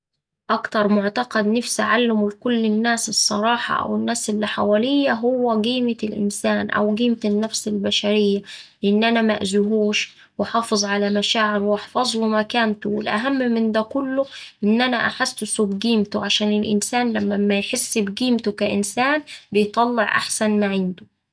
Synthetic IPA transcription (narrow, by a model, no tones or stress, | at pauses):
ʔɑkt̪ɑɾˤmʊʕt̪ɑqɑd̪nafsaʕalːɪmlkʊlːɪnːæːsɨsˤːɑɾˤɑːħɑ̰ʔæ̰wɪnːæːsʔɪlːiħawæːlɪjːæɦʊwːæɡiːmɪlʔɪ̰nsæːnʔæ̰wɡiːmt̪ɪnːæfsɪlbæʃæɾɪjːalɪʔɪnːʔænæmæ̰ʔzʊɦuːʃ | wɪħɑːfɨzˤʕalæmæʃaːʕɪɾwʔɑħfɑzˤlumækæːnt̪ʊwɪ̰lʔæ̰ɦæmːmɪnd̪æːkʊlːʊʔɪnːʔænæʔaħasːt̪ʊsuːbɡiːmt̪ʊʕaʃæːnɪlʔɪ̰nsæːnlæmːæmːæjħesːbɡiːmt̪ʊkæʔɪnsaːnbɪjt̪ˤɑlːeʕʔa̰ħsænmaʕɪnd̪ʊ